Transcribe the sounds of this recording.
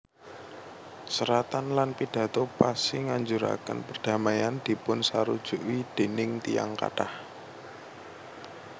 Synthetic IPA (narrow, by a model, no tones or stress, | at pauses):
səɾat̪anlanpid̥ä̤t̪opasɪŋaɲd͡ʒuɾa̰kə̰npərd̥a̤majand̪̥i̤pʊnsaɾud̥ʒ̥uʔid̪̥e̤nɪŋt̪ija̰ŋka̰ʈah